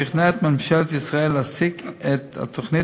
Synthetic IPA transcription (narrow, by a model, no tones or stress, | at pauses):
ɪχnɛtmɪmʃɛltɪsʁaɛlasɪkɛta̰tʰʊχnɪ